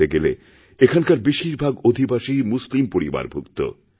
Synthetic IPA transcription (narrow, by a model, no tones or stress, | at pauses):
eɡelḛ | ekʰankaɾbeʃiɾbʱaɡod̪ʱibaʃimuslimpoɾiba̰ɾbʱukt̪o̰